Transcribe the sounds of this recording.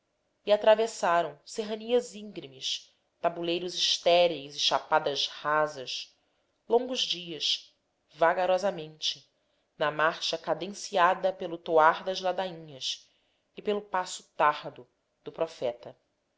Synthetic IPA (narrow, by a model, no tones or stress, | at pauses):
iat̪ɾavesaɾɐ̃w̃seɦɐniɐzĩŋɡɾimɪs | t̪abulejɾʊziʃt̪ɛɾizɪʃapad̪ɐzhazɐʃ | lõŋɡʊzd͡ʒiɐʃ | vaɡaɾɔzɐmẽnt͡ʃɪ | nɐmaɾʃɐkad̪ẽsiad̪ɐpelʊt̪oaɾd̪ɐzlad̪aĩɲɐs | ɪpelʊpasʊt̪ahd̪ʊ | d̪̥ʊpɾɔfɛt̪ɐ